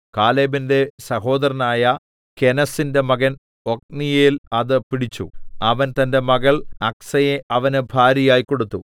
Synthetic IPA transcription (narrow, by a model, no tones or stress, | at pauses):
kaːleːbinde̞sɐɦo̞ːd̪ɐɾɐnaːjɐ | ke̞nɐsinde̞mɐɣɐn | ok̚nijeːlɐðɨpiɽit͡ɕːṵɐʋɐnt̪ɐnde̞mɐɣɐɭɐksɐjeʔɐʋɐnɨbʱaːɾjɐjaːjiko̞ɽut̪ːu